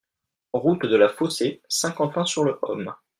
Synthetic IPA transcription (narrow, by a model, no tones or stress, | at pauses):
ʁut̪d̪əlafosesɛ̃kɑ̃fɛ̃syʁləʔɔ̰m